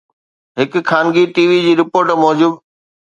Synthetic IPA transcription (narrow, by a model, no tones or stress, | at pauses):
ɦɪk̆kʰaːnɡiʈiːʋid͡ʑiːɾɪpoːɾʈmɔːd͡ʑuːb